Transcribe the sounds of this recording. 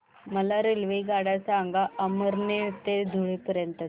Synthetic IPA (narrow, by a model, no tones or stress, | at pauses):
məlaɾelʋiɡaɽasaːŋɡaʔəməɾneɭt̪ed̪ʱuɭipəɾjənt̪ə